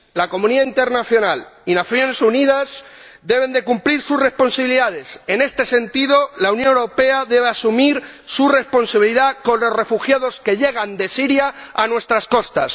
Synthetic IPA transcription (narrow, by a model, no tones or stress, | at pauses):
lako̞mũniðaint̪e̞ɾnaθjo̞nalinaθjo̞ne̞suniðasd̪e̞β̞e̞nd̪e̞kumpliɾsuzre̞spo̞nsaβiliðaðe̞se̞ne̞st̪e̞se̞nt̪iðo̞launjonewɾo̞pe̞aðe̞βeasumiɾ | sure̞spo̞nsaβiliðako̞nlo̞zre̞fuxjaðo̞ske̞ʎe̞ɣ̞and̪e̞siɾjaːnwe̞st̪ɾasko̞st̪as